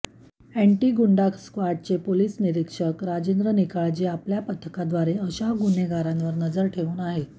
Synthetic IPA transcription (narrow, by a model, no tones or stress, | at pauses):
æɳʈiːɡuɳɖakʰskʋaʈ̚t͡sepoliːsniɾikʂəkɾad͡ʑend̪ɾənikaɭd͡ʑeapljapət̪ʰːəkad̪ʋaɾeəɕaɡun̤eɡaɾãnʋəɾnəd͡zəɾʈʰeʋuːnaɦe